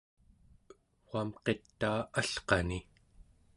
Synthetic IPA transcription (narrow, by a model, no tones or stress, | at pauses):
wamqe̞t̪ːaːaɬqɑni